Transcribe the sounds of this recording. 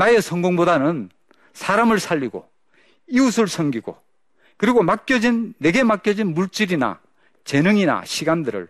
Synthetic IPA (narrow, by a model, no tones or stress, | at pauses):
nae̞sʰʌŋɡoŋbodanɯn | sʰaɾamɯɭsʰaʎːiɡo̰ | iusʰɯɭsʰʌŋɡiɡo̰ | kɯɾiɡomak͈̚jʌd͡ʑinːe̞ɡe̞mak͈jʌd͡ʑinmuɭt͡ɕ͈iɾina̰ | t͡ɕe̞nɯŋina̰ɕʰiɡandɯɾɯ̰ɭ